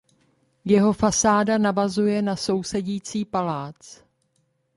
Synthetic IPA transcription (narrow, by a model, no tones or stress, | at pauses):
jɛɦo̞fasaːdanavazujɛnaso̞wsɛɟiːt͡siːpalaːt͡s